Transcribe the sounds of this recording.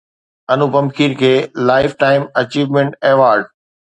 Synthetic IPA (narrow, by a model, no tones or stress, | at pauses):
ɐnupɐ̃mkʰiːɾkʰeːlaːɪfʈaːɪmɐt͡ɕiːʋmẽɳʈeːʋaːɾɖ